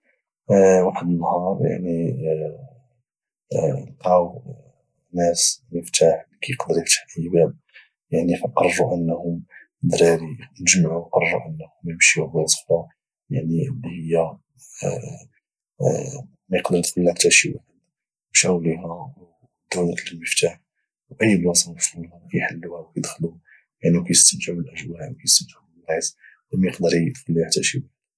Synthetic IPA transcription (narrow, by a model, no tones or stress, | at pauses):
waħəd̪ənːhɑɾˤja̰ʕni | nqɑw | næsməft̪aħlkʰijəqd̪əɾikt̪ḁħibæb̚ | jaʕnifɑqːɑrˤːuʔənːhʊm | d̪ɾæɾinəʒmaʕuqɑrˤːuʔənːhʊməmʃibæsˤə̥xɾɑ | jaʕniəlːihəjːa | mæjəqd̪əɾˤit̪xəlːiħt̪æʃiwħəd | mʃæwliɦæw | d̪ːʊlæt̪ləlməft̪aħ | wʔəjːəlwɑsɑməfɾˤulɑjħəlːuhæwkæjd̪xlu | jaʕnikæjəst̪əmt̪ʕubəlʔəʒwaʕwkæjəst̪əmt̪əʕulis | mjəqd̪əɾit̪xəlːiaħt̪æʃiwħəd̪